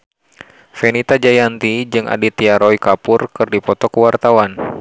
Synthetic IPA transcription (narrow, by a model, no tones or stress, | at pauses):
fɛnit̪ad͡ʒajant̪id͡ʒɨŋʔa̰dit̪iaɾɔikapʊrkɨrdipɔt̪ɔkəwart̪awan